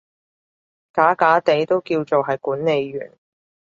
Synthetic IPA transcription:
kaː˨˥kaː˨˥t̪e˨˥jt̪o˥wkiː˧wt͡so˨wɦɐ˨jkuː˨˥nne˨˧jɥy̰ː˨˩n

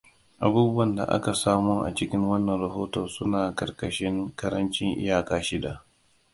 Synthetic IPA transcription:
ʔa˨buː˦bʊ˦wɐ˨nda̰˨ʔa̰˦ka˨saː˦mu˦ʔa̰˨t͡ʃɪ˦kʲɪ˦ŋwɐ˦nːɐ˨nɾɐ˨ɦoː˦toː˨sʊ˦naː˨kɐ˨rkɐ˨ʃɪ˦ŋkɐ˦ɾɐ˦nt͡ʃɪ˦ŋʔɪ̰˦jaː˨kaː˦ʃɪ˦da˨

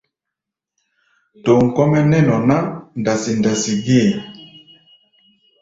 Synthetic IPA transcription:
to˨ŋ̩˨kɔ˦mɛ˦nɛ˦nɔ˨na˦n˨da˨si˨n˨da˨si˨ɡe˦˨a˨

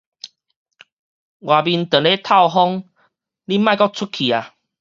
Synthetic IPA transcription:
ɡwa˨˩bi˧nt̪ə˨˩le˦t̪ʰa˥˧˨ʊɦɔ˦˥ŋ | li˦mã˥˧jkɔ˦t͡sʰu˦˥kʰi˨a˨

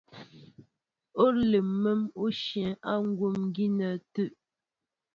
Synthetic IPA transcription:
o˦le˨mə˦mo˦ʃjɛ̃˨a˦ŋ̩˦ɡwo˦mŋ˦ɡi˦nə˨tʉ˦ʔ

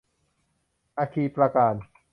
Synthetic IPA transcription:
ʔaː˧kʰiː˧pɾa˧kaː˧n

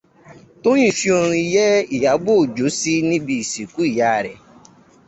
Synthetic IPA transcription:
to˦j̃ĩ˦˨fi˦o˧ɾ̃ĩ˧i˧jɛ˦i˨ja˨˦ɡ͡bo˦˨d͡ʒo˨˦si˦nĩ˦bi˧i˨si˨ku˨˦i˦˨ja˦˨ɾɛ˨

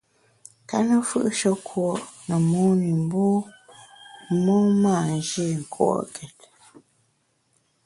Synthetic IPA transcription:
ka˦nə˦fɯ̰˦ʔʃɔ˦kʰwɔ˨ʔnə˨mɔ˦ni˨m˦bɔ˦ | mɔ˦maː˦˨n˨d͡ʒe˦˨ŋ̩˨kʰwɔ̰˦˨ɔ̰˨ʔkʰɛ˨t

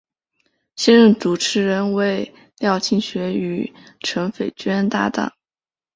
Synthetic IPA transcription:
ɕjɛ˥nɻə˥˩ŋt͡su˨˩ʈ͡ʂʰɻ̩˧˥ɻə˧˥nwe˥˩ɪ | ljɑ˥˧ʊt͡ɕʰi˥˩ŋɕɥɛ˧˥y˨˧˩ʈ͡ʂʰɤ˧˥ŋfe˨˩ɪt͡ɕɥɛ˥nt̪a̰˥˧t̪a̰˥˩ŋ

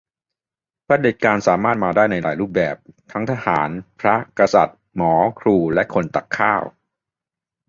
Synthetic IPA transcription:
pʰɾa˦˥de˨˩t̪̚kaː˧nsaː˩˦maː˥˩t̪̚maː˧daː˥˩jna˧jlaː˨˦jɾuː˥˩p̚bɛ̰ː˨˩p̚t̪ʰa˦˥ŋt̪ʰa˧ha̰ː˩˦npʰɾa˦˥ka˧sa̰˨˩t̪̚ | mɔː˩˦kʰɾuː˧lɛ˦˥ʔkʰo˧nt̪a˨˩kʰːaː˥˩w

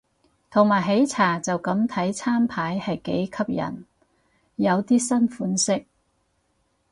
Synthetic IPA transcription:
t̪ʰo˨˩ŋmaː˨˩jɦe˨˥jt͡sʰaː˨˩t͡sɐ˨wkɐ˨˥mt̪ʰɐ˨˥jt͡sʰaː˥mpʰaː˨˥jhɐ˨jkḛ˨˥jkʰɐ˥p̚jɐ̰˨˩n | jɐ˨˧wt̪iː˥sɐ˥nfuː˨˥nsɪ˥k̚

